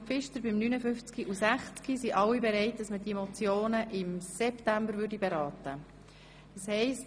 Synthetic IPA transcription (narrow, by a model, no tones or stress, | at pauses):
fɪʃtəɾbɪmnynəfʏft͡skiʔusæχt͡skisiʔɑlwːibɛɾɛɪt̚d̥ɑsməd̥imɔt͡sjoːnəʔɪmsɛptæmbəɾvʏɾdibeɾɑːtə | d̥ɑshɛɪst